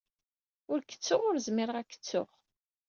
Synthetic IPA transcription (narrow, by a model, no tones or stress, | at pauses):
ʊɾkə̥t͡sːʊʁʊɾzmɪɾəʁækːə̥t͡sːʊ̰ʁ